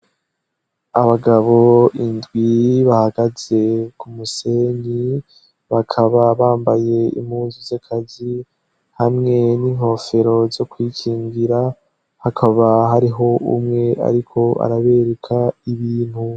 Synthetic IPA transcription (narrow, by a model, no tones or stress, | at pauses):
aβaɡaβo̞indɡwiβahaɡaze̞kumuse̞ɲi | βakʰaβaβaːmbaje̞ḭmuːnzuzakʰazi | hamŋe̞niŋ̥ho̞ːfe̞ɾo̞zo̞kwiːcʰiːŋɡiɾa | hakʰaβaɦaɾiɦo̞ṵmŋe̞ʔa̰ɾikʰo̞a̰ɾaβe̞ːɾekʰaiβiːn̥hu